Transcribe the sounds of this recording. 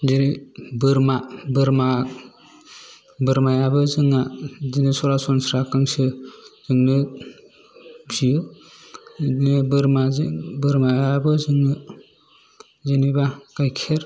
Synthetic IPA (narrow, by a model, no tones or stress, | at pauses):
diɾibɯɾmabɯɾma | bɯɾmajabɯzɯŋazinisɔɾasɔnsɾakaŋsɯz̥ɯŋnɯ | bzijɯ | nibɯɾmazibɯɾmajabɯzɯŋnɯ | zɯnibakajkʰeɾ